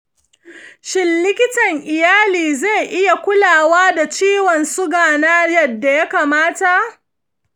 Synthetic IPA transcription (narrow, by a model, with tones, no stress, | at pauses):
ʃɪ˦nːɪ˦kʲɪ˦tɐ˨ŋʔɪ˨jaː˦liː˨ze˦˨jʔɪ˦ja˨kʷʊ˦laː˨waː˦da˨t͡ʃiː˦wɔ˨nsʊ˦ɡaː˨naː˦jɐ˨dːa˨ja˦kaː˨maː˦ta˨ʔ